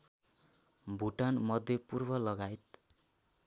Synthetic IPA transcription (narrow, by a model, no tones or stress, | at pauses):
bʱuʈanmʌd̪ʱjʌpurbʌlʌɡajt̪